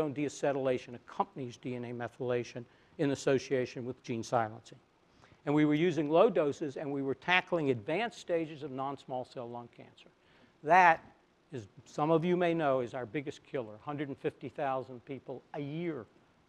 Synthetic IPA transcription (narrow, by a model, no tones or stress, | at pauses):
õʊ̃ndiɨsɛɾəleɪʃɨ̃nɨkʰʌ̃mpənizdiɛ̃neɪmɛθəleɪʃɨ̃n | ɨ̃nɨsoʊsieɪʃɨ̃nwɨðd͡ʒĩnsaɪlˠə̃nsɪ̃ŋ | ɨ̃nwiwə˞jʉzɪ̃ŋloʊdoʊsɨzɨ̃nwiwə˞tʰækl̩ˠɪ̃ŋɨdvæ̃nsteɪd͡ʒɨzʌvnɑ̃nsmɔlˠseɪlˠɔ̃ŋkʰæ̰̃nsə˞ | ðɨɾ | ɨzsʌ̃mʌvjɨmeɪnoʊɨzaʊə˞bɪɡɨskʰɪlˠə˞hʌ̃ndɹɨ˞dn̩fɪftiθaʊzə̃npipl̩ˠɨjɪɹ